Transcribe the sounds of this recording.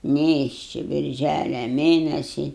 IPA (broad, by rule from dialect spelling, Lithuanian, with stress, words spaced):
ˈnʲeːʃʲt͡ʃʲɪ bʲɪrʲˈʒʲælʲɛ ˈmʲeːnʲɛsʲɪ